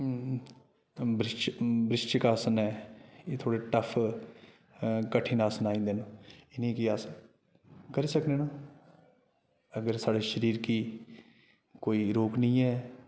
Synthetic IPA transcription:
bɾɪʃt͡ʃbɾɪʃt͡ʃkaːsənɛːeːt̪ʰoːɽeːʈəpʰ | kəʈʰːiːnaːsənaːĩːnd̪eːnõɪnĩːkiaːsə | kəɾiːsəkneːnõː | əɡəɾsaːɽeːʃəɾiːɾkiː | koːiːɾoːknəĩːɛː

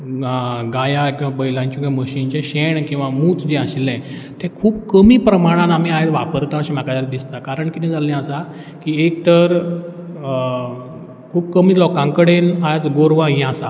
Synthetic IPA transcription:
ɡajakĩw̃ʋabəjlãɲt͡ɕũɡaməɕint͡ɕɛ̃ɕeɳkĩw̃ʋamuːt͡s̪d͡ʑẽaɕilɛ̃t̪ɛ̃kʰuːbkəmiːpɾəmaɽ̃ãnam̤iaet̪ʋapəɾt̪ãəɕĩm̤akad̪aɾd̪ist̪akaɾəɳkit̪ɛ̃d͡zalɛ̃əsa | kiːek̚t̪əɾ | kʰuːbkəmiːlɔkãŋkəɽenad͡zɡoɾʋãɦɛ̃asa̰

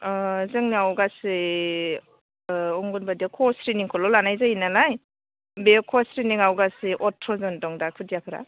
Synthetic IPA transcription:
zɯŋniawɡasɯ | ɔŋɡunbadiakʰɔsɾiniŋkʰɔlɔlanajzainalaj | bekʰɔsɾiniŋawɡasiʔɔtʰɾɔzɯndɔŋdakʰɯdijakʰɯɾa̰

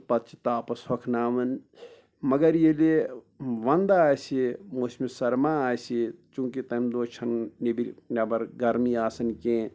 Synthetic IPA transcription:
pɐt̪t͡ʃʰi̥t̪aːpɐshɐkʰnaːʋɐn | mɐɡɐɾjele | ʋɐnd̪aaːjsimoːsmisɐɾmaaːjsit͡ʃũːkit̪ɐmdd̪oːt͡ʃʰɐnnebiɾjabɐɾɡɐɾmiaːsɐnkẽ

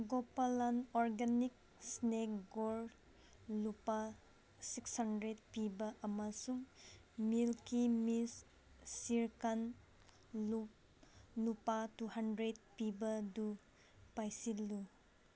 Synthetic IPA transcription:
ɡopalanɔɾɡanik̚ | snekɡoɾ | lupa | sikshandɾet̚pibɐʔɐmɐsuŋmilkimis | siɾkan | lu | lupatuhandɾet̚pibɐdu | pajsilːu

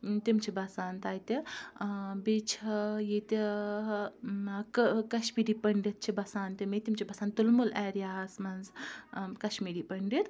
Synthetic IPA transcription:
t̪imt͡ʃʰibɐsaːnt̪aːjt̪i | bit͡ʃʰijit̪i | kkɐʃmiːɾiːpɐɳɖit̪̚t͡ʃʰibɐsaːnt̪imit̪imt͡ʃʰibɐsaːnt̪ulmulɛːɾijaːsmɐnz | kɐʃmiːɾiːpɐɳɖit̪

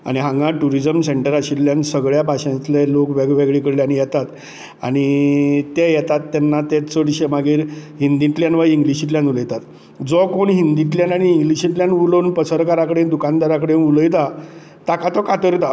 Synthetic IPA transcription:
a̰ɽ̃iɦãŋɡãʈuɾid͡zəmseɳʈəɾaɕilljansəɡɭjapaɕãnt͡slɛlokʋɛɡʋɛɡɭikəɽljanijɛt̪at̪ | a̰ɽ̃it̪ejɛt̪at̪ːɛnːat̪ɛt͡səɽɕemaɡiːɾɦind̪iʈ̪ljanʋajiŋɡliɕiʈljãnuləjt̪at̪ | d͡zɔkoɳɦind̪iʈ̪ljanaɽ̃iːŋɡliɕiʈljanuləwnpəsəɾkaɾakəɽend̪ukãnd̪aɾakəɽenuləjt̪̬a | t̪akat̪ɔkat̪əɾt̪a

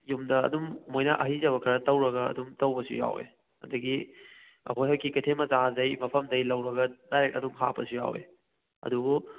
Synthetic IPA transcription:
jumdɐɐ̰dumːojnɐʔɐɦizɐβɐkʰɐɾɐtɐwɾɐɡɐɐ̰dumtɐwbɐsṵja̰wḛ | ɐ̰dɐɡi | ɐ̰kʰojɦawkikɐtʰemɐzazɐjmɐpʰɐmdɐjlɐwɾɐɡɐd̥ajɾek̚tɐdumɦa̰pɐsuja̰wḛ | ɐ̰dubu

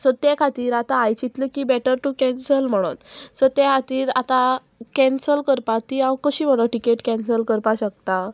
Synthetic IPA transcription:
sɔt̪ekʰat̪iːɾat̪aːjt͡ɕit̪ləkibɛʈəɾʈukɛ̃nsəlm̤əɽ̃o̰t̪sɔt̪ekʰat̪iːɾat̪a | kɛ̃nsəlkəɾpat̪ːiãwkəɕiːm̤əɽ̃ɔʈikeʈkɛ̃nsəlkəɾpaɕək̚t̪a

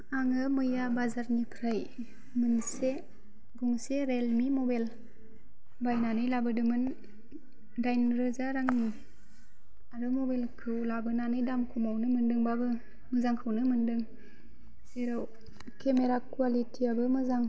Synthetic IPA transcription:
aŋɯmɯjabazaɾnipʰɾaj | mɯnse | buŋseɾelmimɔbal | bajnanɯjlabɯdɯmɯn | dajnɾɯzaɾaŋni | aɾɯmobelkʰɯwlabɯnanɯjdamkʰumawnɯmɯndɯŋbabɯ | mɯzaŋkʰɯwnɯmɯndɯŋ | seɾaw | kʰemeɾakwalitʰiabɯmɯzaŋ

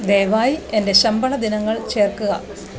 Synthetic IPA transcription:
d̪e̞ːʋaːjie̞nde̞ɕɐmbɐɭɐd̪inɐŋːɐɭt͡ɕe̞ːrkuɣɐ̰

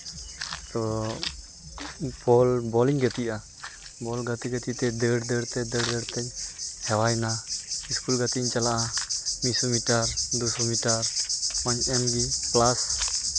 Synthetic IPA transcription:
t̪ɔ | bɔlbɔliŋɡat̪iʔa | bɔlɡat̪iɡɛt̪it̪ɛd̪ɛɽd̪ɛɽt̪ɛd̪ɛɽd̪ɛɽt̪ɛchɛwajnaiskulɡat̪iɲt͡ʃalaʔamisumiʈaɾd̪usɔmiʈaɾmaɲɛmɡiplas

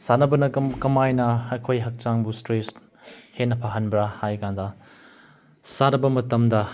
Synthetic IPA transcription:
sanɐbɐnɐkɐmajnɐɐjkʰojɦɐk̚t͡ʃaŋbustɾes | henːɐpʰaɦɐnbɾahajkandɐ | saɾɐbɐmɐtɐmdɐ

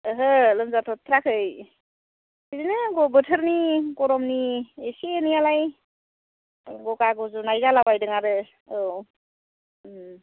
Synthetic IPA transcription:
ɦɯlɯmzatʰɔt̪ʰɾakʰɯj | siɾinɯɡɔbɯtʰəɾnikɔɾɔmniesienijalaj | ɡɔkaɡɔzunajɡalabajdɯŋaɾɯ | ɯw

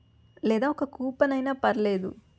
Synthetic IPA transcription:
lɛːd̪aːɔkɐkuːpɐnɐjnaːpɐɾɐleːd̪ṵ

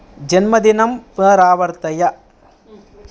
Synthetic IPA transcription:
d͡ʒɛnmɐd̪ɪnɐmpɯɐɾaːʋɐɾt̪ɐjɐ

